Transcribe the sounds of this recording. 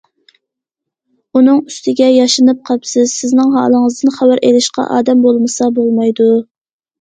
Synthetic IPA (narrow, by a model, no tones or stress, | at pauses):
unɨŋyst̪ɪɡʲɛjɑʃɨnɨp̚qʰɑpsɪzsɪznɪŋɦɑ̰ːlˠəŋəzd̪ɨnχæwæɾʔelɪʃqɑ̰ʔɑ̰ːd̪ɛmbolˠmɨsɑbolˠmɑjd̪u